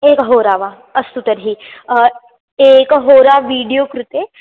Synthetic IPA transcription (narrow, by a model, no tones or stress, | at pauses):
ekɦoɾaʋa | əst̪ut̪əɾɦiː | ekɦoɾaʋiɽijokɾut̪e